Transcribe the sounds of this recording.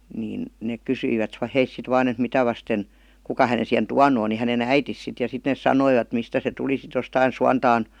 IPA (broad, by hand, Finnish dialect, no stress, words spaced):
niːn neːk kysyi ʋæt heis sit ʋɑːn et mitæ ʋɑsten kukɑ hænen̞ sihen tuɑnu on ni hænen æitis sit jɑ sit neːs sɑnoiʋɑt mistæ se tuli sit jostɑin suɑntɑːn